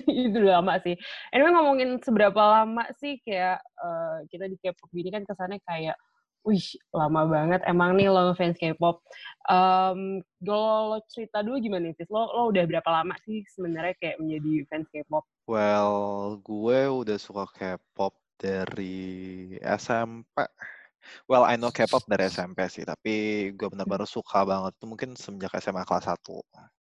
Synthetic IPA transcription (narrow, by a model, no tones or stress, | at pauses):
it̪̬ulamaʔsɪhʔɛnmɛŋomɔŋɪnsəbəɾapalama̰ʔsɪhkajaʔəːkit̪adikɛp̚ɔp̚ɡinikankəsanakajaʔ | uhlamabaŋət̪ḛmaŋnɪhlɔfɛnskepɔp̚ʔəm | ɡalolot͡ʃəɾit̪aduluɡimanaitɪsloloudahbəɾapalama̰ʔsɪhsəbənarɲakajaʔməɲd͡ʒadifɛnskep̚ɔp̚wɛlɡuɛudahsukakʰɛpɔp̚d̥aɾi | ɛ̰sɛmpɛ̰ | wɛla̰jnokɛpɔp̚daɾiɛsɛmpɛsɪ̰ht̪apiɡuɛbənərbənarsukʰabaŋət̪̚i̥t̪umuŋkɪnsəbəd͡ʒakɛ̰sɛmakla̰sa̰t̪ṵ